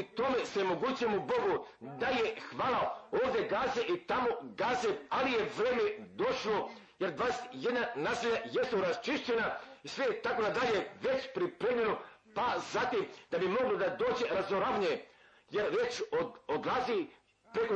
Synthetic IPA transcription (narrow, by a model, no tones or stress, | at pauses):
it̪ome̞seemo̞ɡuːt͡ɕujemubo̞ɡud̪ajexʋaːlˠaoːʋd̪je̞ɡaːzeʔit̪amoɡaːzealije̞ʋɾeːmed̪o̞ʃlo̞ | jeɾd̪ʋaːd̪eset̪je̞d̪nanaːsiʎajest̪oɾast͡ʃiʃt͡ɕenaisʋet̪akonad̪aʎeʋet͡ɕpɾipɾed̪mʲeɾupazat̪imd̪̥abimo̞ɡlod̪ad̪o̞ːd͡ʑe̞ɾazoɾaʋɲe | jeɾʋe̞t͡ɕood̪lˠazi | pɾeko